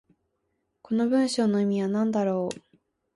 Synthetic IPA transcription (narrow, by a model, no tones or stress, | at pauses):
ko̞no̞bɯ̟̃ɰ̃ɕo̞ːnːoimʲiβanãnd̪aɾo̞ː